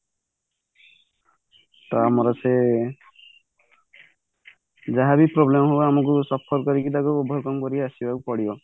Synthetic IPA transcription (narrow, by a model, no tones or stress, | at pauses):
t̪amɔɾɔse | d͡ʒaɦabipɾɔblemɦoamɔkusɔpʰɔɾkɔɾikid̪akuobʱɔɾkɔmkɔɾiasibakupɔɽibɔ